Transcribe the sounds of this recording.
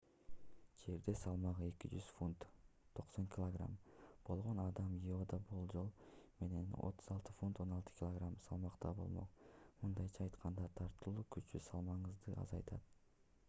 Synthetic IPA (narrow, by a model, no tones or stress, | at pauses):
d͡ʒe̞ɾd̪e̞sɑlˠmɑʁɯe̞kid͡ʒyz̥funt̪ʰːo̞qso̞ŋkʲɪlˠoɡra̰mb̥o̞lˠʁo̞nɑd̪ɑmiod̪ɑbulˠd͡ʒo̞lˠme̞ne̞no̰t̪ːu̥zɑlˠt̪ɯfunt̪o̞nɑlˠt̪ɯ̥kʲilˠoɡramsɑlˠmɑqt̪ɑbo̞̰lˠmo̰qmɯnd̪ɑjt͡ʃʰɑːjt̪qʰɑnd̪ɑt̪ʰɑɾt̪ɯlˠuːkyt͡ʃysɑlˠmɑɴɯzd̪ɯɑ̰zɑjt̪ʰɑt̪